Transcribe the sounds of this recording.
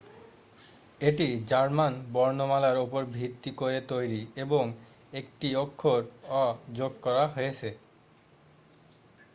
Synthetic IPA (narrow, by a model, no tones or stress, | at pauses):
eʈid͡ʑaɾmanbɔɾnomalaɾopoɾbʱit̪ːikoɾet̪ojɾieboŋ | ek̚ʈiokʰːoɾɔd͡ʑoɡ̚kɔɾaɦojet͡ɕʰe